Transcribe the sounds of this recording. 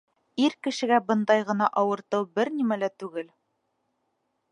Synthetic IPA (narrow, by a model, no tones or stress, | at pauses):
iɾkɘ̆ʃɘ̆ɡæbɤ̆nd̪ɑjʁɤ̆nɑʔɒwɤ̆ɾt̪ɤwbɘɾnimælæt̪ʉɡɘl